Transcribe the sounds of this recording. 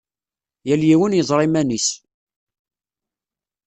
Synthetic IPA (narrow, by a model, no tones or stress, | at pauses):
jæljiwənjəzˤɾˤɪmænis